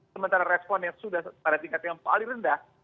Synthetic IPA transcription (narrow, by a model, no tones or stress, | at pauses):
səmənt̪aɾaɾɛspɔnjaŋsudahpadat̪iŋkat̪jaŋpa̰lɪiŋɾəndah